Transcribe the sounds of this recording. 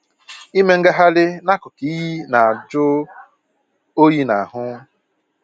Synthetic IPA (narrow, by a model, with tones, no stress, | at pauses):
i˦me˦ŋ̩˦ɡa˦ɦa˦lɪ˦na˦kʊ˨ki˦ji˦na˨a˨d͡ʒʊ˦ | o˦ji˦na˨ɦʊ˦